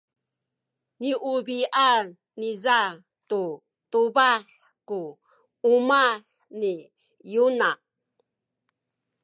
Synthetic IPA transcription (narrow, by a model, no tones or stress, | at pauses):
niʔubiʔa | niza | tu | tuβaɬ | kuː | maɬ | ni | juna